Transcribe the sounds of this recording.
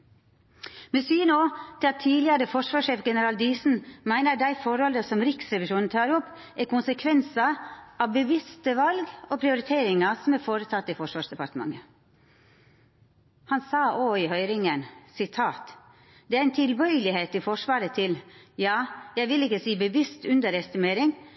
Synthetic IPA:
mɛsyːənoːt̪ʰɪlɑt̪ʰiːlɪəɾəfɔʂʋɑːʂeːfɡɛnəɾɑːld̪iːsn̩mæɪnəɖæɪfɔɾhɔləsɔmɾɪksɾɛʋɪʂuːnn̩t̪ʰɑːɾɔpː | ækʊnsəkʰʋɛnsɑɑʋbəʋɪst̪əʋɑlɡopʰɾɪʊɾɪt̪ʰeːɾɪŋɑsɔmæɾfoːɾət̪ʰɑt̪ːɪfɔʂʋɑːʂd̪ɛpɑɾt̪əmɑ̰ŋə | hɑnsɑːʔoːɪhœʏɾɪŋənsɪt̪ʰɑːt̪ | d̪ɛæɾɛnt̪ʰɪlbœʏəlɪheːt̪ɪfɔʂʋɑːɾət̪ʰɪljɑːjæɪʋɪlɪkːəsiːbəʋɪst̪ʉnd̪əɾɛst̪ɪmeːɾɪŋ

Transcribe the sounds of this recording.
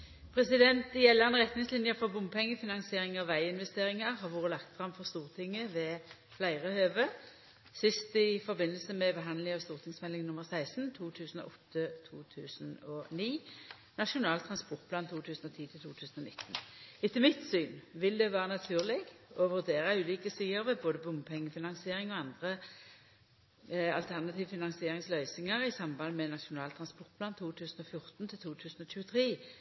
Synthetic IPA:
pʰʁɛsɪd̪ɛnt̪ɪjɛlːəʁnəʁɛt̪nɪŋslɪnjəfɔʁbʊmpʰɛŋːəfɪnɑŋsɪeːʁɪŋɑʋːæɪɪnʋɛst̪eːʁɪŋɑʁhɑʁʋoːʁəlɑkt̪fʁɑmfɔʁst̪uːʁt̪ʰɪŋːəʋɛ | flæɪʁəhøːʋə | sɪst̪ɪfɔʁbɪnːəlsəmɛbəɦɑnd̪lɪŋɑʋst̪uːʁt̪ʰɪŋsmɛlɪŋnʊməʁsæɪsn̩t̪ʰuːt̪ʰʉːsn̩ɔ̰ːʔɔt̪ʰːət̪ʰuːt̪ʰʉːsənɔniː | nɑʂʊnɑːlt̪ʰʁɑnspɔʁt̪̚pʰlɑːnt̪ʰuːt̪ʰʉːsn̩ɔt̪ʰiːt̪ʰɪlt̪ʰuːt̪ʰʉːsn̩ɔnɪt̪ːn̩ɪt̪ʰəmɪt̪syːnʋɪld̪ɛʋæːʁənɑt̪ʰʉːʁlɪɡɔʋʉʁd̪eːʁɑʉːliːkəsyːəɾʋɛboːd̪əbʊmpʰɛŋːəfɪnɑnsɪeːʁɪŋɔɑnd̪ʁə | ɑ̰lt̪ʰæʁnɑt̪ʰiːʋfɪnɑŋsɪeːʁɪŋslœʏsɪŋəʁɪsɑmbɑnmɛnɑʃʊnɑːlt̪ʰʁɑnspɔʁt̪̚pʰlɑːnt̪ʰuːt̪ʰʉːsn̩ɔfjʊʁt̪n̩t̪ʰɪlt̪ʰuːt̪ʰʉːsn̩ɔc͡çʉːət̪ʰʁeː

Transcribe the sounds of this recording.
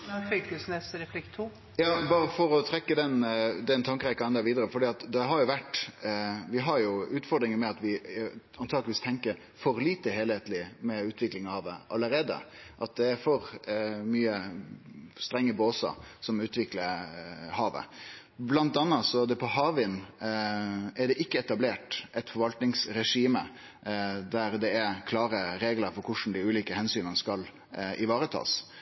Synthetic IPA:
fʏkəsnɛsɾɛflɪkt̪ʰːuː | jɑːbɑːɾəfɔɾɔt̪ʰɾɛkːəd̪ɛnd̪ɛnt̪ʰɑŋkəɾɛkɑnɛnd̪ɛɾʋiːd̪əɾəfɔɖiːɑt̪d̪ɛɦɑɾjʊʋæʈː | ʋɪɦɑɾjʊʉːt̪fɔɾd̪ɾɪŋəmɛɑt̪ʋɪɑnt̪ʰɑːɡləʋiːst̪ʰɛŋkəɾ | fɔɾliːt̪əɦeːlheːt̪lɪmɛʉːt̪ʰʋɪklɪŋɑhɑːʋə̰ʔɑ̰ləɾeːd̪ə̰ʔɑt̪̚d̪ɛæɾfɔɾmyːə | st̪ɾɛŋːəboːsə̰sɔmʉːt̪ʋɪkləɾhɑːʋə̰ | blɑnt̪ɑnːɑt̪sɔd̪ɛpʰɔhɑːʋɪn | ɛɖɛʔɪkːəɛt̪ɑbleːʈʔɛt̪fɔɾʋɑlt̪nɪŋsɾɛʂiːmə | d̪æɾd̪ɛækʰlɑːɾəɾeːɡləɾfɔɾkʰʊʂn̩d̪ɪʉːliːkəhɛnsyːnənəskɑl | ʔɪʋɑːɾət̪ʰɑ̰ːs

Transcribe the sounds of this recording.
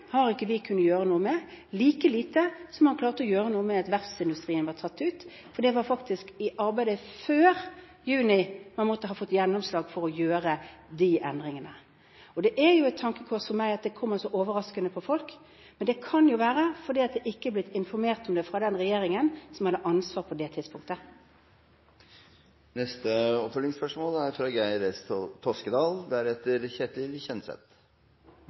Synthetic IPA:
hɑɾɪkːəʋɪkʰʉnːəjøːɾənuːəmɛliːkəliːt̪əsɔmhɑnklɑːʁt̪əɔjøːɾənuːəmɛɑt̪ʋæʁpsɪnd̪ʉst̪ʁiːənʋɑʁt̪ʰɑt̪ːʉːt̪ | fɔɾd̪ɛʋɑːɾfɑkt̪ɪskɪʔɑɾbæɪd̪əføːɾ | jʉːnɪmɑnmɔt̪ːəɦɑfɔt̪ːjɛnːɔmslɑːɡfɔɾɔjøːɾəd̪ɪʔɛ̰nd̪ɾɪŋənə | ɔd̪ɛʔɛɾjʊɛɪt̪ʰːɑŋkəkʰɔsfɔɾmæɪɑt̪̚d̪ɛkʰɔmːɑsɔʔoːʋəɾɑskənəpʰɔfɔlk | mɛnd̪ɛkʰɑnjʊʋæːɾəfɔd̪iːɑt̪̚d̪ɛʔɪkːəɛblɪt̪ːɪnfɔɾmeːʁt̪ɔmd̪ɛfʁɑd̪ɛnʁɛjeːɾɪŋənsɔmhɑd̪ːəʔɑnsʋɑːʁpʰɔd̪ɛt̪ʰɪd̪spʊŋkt̪ə | nɛst̪əɔpfœlɪŋspœʂmoːlæɾfɾɑːɡæɪɾɛst̪ʰɔskəd̪ɑːlbæɾɛt̪ːəɾçɛt̪lɪlçɛnsɛ̰t̪

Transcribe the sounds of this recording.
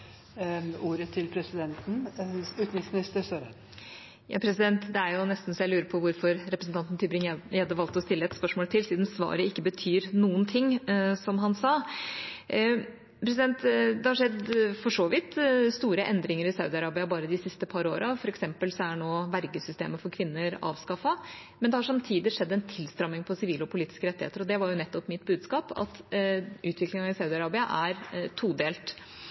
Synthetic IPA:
uːɾət̪ʰɪlpʰɾɛsɪd̪ɛnt̪n̩ʉːt̪nɪŋsmɪnɪst̪əsøːɾə | jɑ̰ːpʰɾɛsɪd̪ɛnt̪d̪ɛæɾjʊnɛst̪n̩sɔjæɪlʉːɾəpʰɔʋʊɾfɔɾɾɛpɾəsn̩t̪ɑnt̪n̩t̪ʰybɾɪŋjæɑd̪əʋɑlt̪ɔst̪ɪlːəɛt̪spœʂmoːlət̪ʰɪlsiːd̪n̩sʋɑ̰ːɾəɪkːəbət̪ʰyːɾnuːənt̪ʰɪŋːsɔmɦɑnsɑː | pʰɾɛsɪd̪ɛnt̪d̪ɛhɑɾʂɛd̪fɔʂoːʋɪt̪st̪uːɾəʔɛnd̪ɾɪŋəɾɪsɑʉd̪ɪɑɾɑːbɪɑbɑːɾəd̪ɪsɪst̪əpʰɑɾo̰ːɾʔɑfɔɾɛksɛmpəlsɔæɳoːʋæɾɡəsʏst̪ḛːməfɔɾkʰʋɪnːəɾɑ̰ːʋskɑfːɑmɛnd̪ɛhɑʂɑmt̪ʰiːd̪ɪʂɛd̪ːɛnt̪ʰɪlst̪ɾɑmːɪŋpʰɔsɪʋiːlɔpʰʊliːt̪ɪ̥skəɾɛt̪ːɪhḛːt̪əɾɔd̪ɛʋɑɾjʊnɛt̪ːɔpmɪt̪bʉːd̪skɑːpɑ̰t̪ʔʉːt̪ʋɪklɪŋɑɪsɑʉd̪ɪɑɾɑːbɪɑʔæɾt̪ʰuːd̪eːlt̪

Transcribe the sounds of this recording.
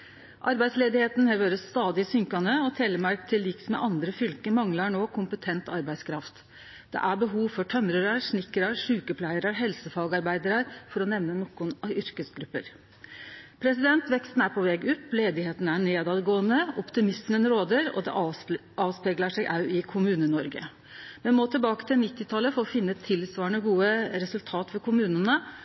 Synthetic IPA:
ʔɑɾbæɪsleːd̪ɪheːt̪nhɛʋøɾəst̪ɑːd̪ɪsʏŋkɑnəɔt̪ʰeːləmɑɾkt̪ʰɪliːksmɛ̰ʔɑnd̪ɾəfʏlkəmɑŋlɑɳoːkʰʊmpət̪ʰɛnt̪ɑɾbæɪskʰɾɑft̪ | d̪̥ɛ̰ʔæbəɦuːʋfɔʈʰœmɾəɾəɾʂnɪkːəɾɑɾʂʉːkəpʰlæɪəɾəɦɛlsəfɑːɡɑɾbæɪd̪əɾɑɾfɔɾɔnɛʋnənɔkʊnɑʏɾkəsɡɾʉpːə̰ɾ | pʰɾɛsɪd̪ɛnt̪ʋɛkst̪n̩æɾpʰɔʋɛːɡʉp̪ːleːd̪ɪheːt̪nəæɳeːd̪ɑːd̪ɡoːənəɔpt̪ɪmɪsmənɾoːd̪əɾɔ̰d̪ɛ̰ | ɑːʋspɛɡləʂɛɡʔɑʉɪkʰʊmʉːnənɔɾɡə̰ | mɛnmoːt̪ʰɪlbɑːkə̥t̪ʰɪlnɪt̪ːɪt̪ʰɑlːəfoːfɪnːəɛt̪ʰːɪlsʋɑːəɳəɡuːəɾɛsʉlt̪ʰɑːt̪fɔkʰʊmʉːnənə

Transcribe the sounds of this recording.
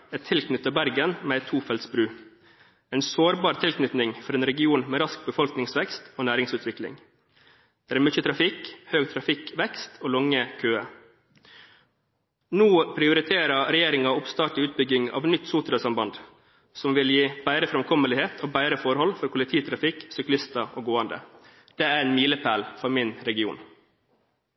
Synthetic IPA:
ɛt̪ʰːɪlkʰnʏt̪ːɑbæɾɡənmɛːɛt̪ʰːuːfɛlt̪sbɾʉː | ɛɪnsoːɾbɑːɾt̪ʰɪlkʰnʏt̪nɪŋfɔɾeːnɾɛɡɪuːnmɛːɾɑsk̚bəfɔlknɪŋsʋɛkst̪oːnæːɾɪŋsʉːt̪ʰʋɪklɪ̰ŋ | d̪̥ɛːæɾmʏt͡ʃət̪ʰɾɑfɪkhøːɡt̪ʰɾɑfɪkʋɛkst̪ʰoːlɔŋəkʰøːə | nuːpʰɾɪʊɾɪt̪ʰeːɾɑɾɛjeːɾɪŋɑɔpst̪ɑːʈɪʉːt̪̚bʏɡɪŋɑ̰ːʋnʏt̪ːsuːt̪əɾɑsɑmbɑnd̪ | sɔmʋɪljiːb̥æɪɾəfɾɛmkʰɔməlɪheːt̪ʰoːbæɪɾəfɔɾhɔlfɔɾkʰʊlɪt̪ʰiːt̪ʰɾɑfɪksʏklɪst̪ɑʔoːɡoːɑnd̪ə̰ | d̪̥ɛːæɾɛnmiːləpʰæːlfɔɾmɪnɾɛɡɪṵːn

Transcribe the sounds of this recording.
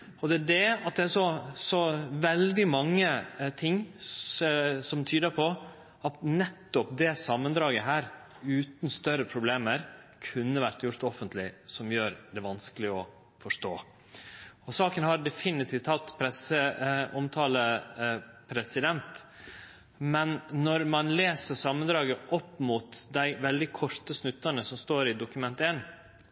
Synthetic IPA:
ɔd̪ɛæɖɛɑt̪̚d̪ɛæʂɔsɔʋɛld̪ɪmɑŋːət̪ʰɪŋː | sɔmt̪ʰyːd̪əɾpʰɔ | ɑt̪nɛt̪ːɔpd̪ɛsɑmːənd̪ɾɑːɡəɦæːɾ | ʉːt̪n̩st̪œɾəpʰɾʊbleːməɾkʰʉnːəʋæɾt̪jʊɾt̪ɔfənt̪ʰlɪsɔmjøːɾd̪ɛʋɑnskəlɪɔ | fɔʂʈoː | ɔsɑːkənhɑɾɖɛfɪnɪt̪ʰiːft̪hɑt̪ːpʰɾɛsəɔmt̪ʰɑːlə | pʰɾɛsɪd̪ɛnt̪ | mɛnːɔɾmɑnleːsəsɑmːənd̪ɾɑːɡəʔɔpːmut̪d̪æɪʋɛld̪ɪkʰɔʂt̪əsnʉt̪ːənəsɔmst̪oːɾɪd̪ʊkʉmɛnt̪eːn

